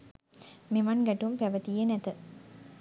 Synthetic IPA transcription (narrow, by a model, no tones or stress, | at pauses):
meʋanɡɛʈumpæʋət̪ijənɛt̪ə